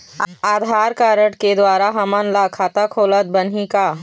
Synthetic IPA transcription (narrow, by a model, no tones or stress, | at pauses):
aːd̪ʱaːɾkaːɾəʈked̪waːɾaɦɐmənlakʰaːt̪akʰoːlət̪̚bɐnɦikaː